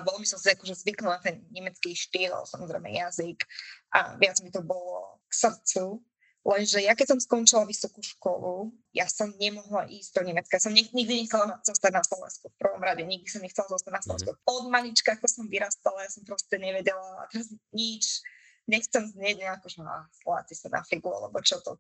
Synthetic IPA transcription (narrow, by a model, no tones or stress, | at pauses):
bɔlbisɔmsiakɔʒɛzʋiklilɛnt̪ɛnɲɛmɛt͡skiʃt̪iːlˠa̰bɔ̰samɔzɾɛ̰jmɛ̰jazikʔa̰ʋɪad͡zmit̪ɔbɔlɔ̰ksr̩t͡su | lɛnʒɛjakɛcsɔmskɔnt͡ʃilaʋisɔkuʃkɔ̰lu | jasɔmɲɛmɔɦlaʔiːzd̪ɔɲɛmɛt͡skajasɔmɲɛɲiɡ̚d̪iɲɛxt͡sɛlaz̥ɔst̪aɟnaslɔʋɛ̰nskufpr̩ʋɔmɾaɟɛjɲiɡ̚d̪isɔmɲɛxt͡sɛlazɔst̪aɟnaslɔʋɛ̰̃nskupɔd̪malit͡ʃkat̪ɔsɔmʋiɾast̪alajasɔmpɾɔscɛɲɛʋɛɟɛlaa̰t̪ɛɾazɲit͡ʃ | ɲɛxt͡sɛmzɲɛɟɲɛakɔʒɛɦa̰sla̰tɛsanʔa̰fliɡua̰lɛ̰bɔt͡ʃɔt̪ɔ